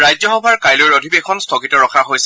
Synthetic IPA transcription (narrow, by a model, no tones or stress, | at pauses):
ɹajzɔxɔbʱaɹkajlojɹodʱibexʰɔnstʰɔkitɔɹɔkʰaɦojsɛ